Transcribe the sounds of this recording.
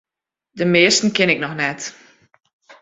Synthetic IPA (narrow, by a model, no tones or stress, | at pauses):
dəmɪːstn̩kɪnɪk̚nɔxnɛt